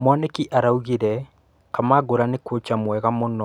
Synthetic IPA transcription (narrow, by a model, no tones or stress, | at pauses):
mwanekiʔaɾauɣiɾɛ | kamaɡoɾanekwot͡ʃamwɛɣamonɔ